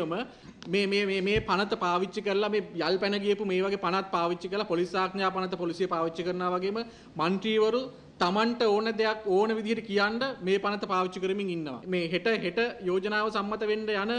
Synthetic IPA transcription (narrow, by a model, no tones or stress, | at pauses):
əmə | meːmeːeːmeːpanət̪əpaːʋit͡ʃːikəɾəlameːjalpænəɡijəpumeːʋaɡepanat̪̚paːʋit͡ʃːikəɾlapolisaːɡnjaːpanət̪əpolisijepaːʋit͡ʃːikəɾənaːʋaɡeːmə | manʈɾiːʋəɾu | t̪amaɳʈəoːnəd̪eakoːnəʋid̪ʱiɦeʈikijaɳɖəmeːpanət̪əpaːʋit͡ʃːikəɾəmiŋinːəʋa̰meːɦeʈəɦeʈəjoːd͡ʒənaːʋəsamːɐt̪əʋeɳɖəjanə